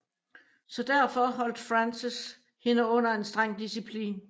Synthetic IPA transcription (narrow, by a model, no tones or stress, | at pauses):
sɒ̽d̥æɐfɒ̽ɦɒ̽l̰d̥fʁansis | he̝nəɔ̽n̰ɐe̝nsd̥ʁaŋ̰d̥isipʰlḭːn